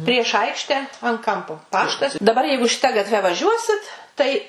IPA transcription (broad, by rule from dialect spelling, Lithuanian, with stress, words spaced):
pʲrʲiɛʃ ˈɐɪkʃʲtʲɛ ɐn ˈkɐmpoː ˈpɑːʃtɐs dɐˈbɐr ˈjɛɪɡʊ ʃʲɪˈtɐ ɡɐtʲˈʋʲɛ ʋɐˈʒʲuɔsʲɪt tɐɪ